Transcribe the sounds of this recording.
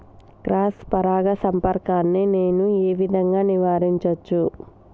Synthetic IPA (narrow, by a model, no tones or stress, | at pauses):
kɾaːspɐɾaːɡɐsɐmpɐɾkaːnːine̞ːnueːʋid̪ʱɐŋɡaːniʋaːɾiɲt͡ʃɐt͡ʃːu